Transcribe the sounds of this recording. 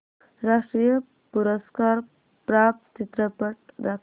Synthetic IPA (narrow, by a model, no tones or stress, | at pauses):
ɾaʂʈɾijə | puɾəskaːɾ | pɾaːp̚t̪t͡ʃit̪ɾəpəʈɾak